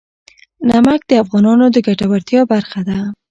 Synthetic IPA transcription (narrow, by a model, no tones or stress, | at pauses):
namak̚d̪əafɣɑnɑnod̪əɡaʈawaɾt̪jɑbaɾxad̪a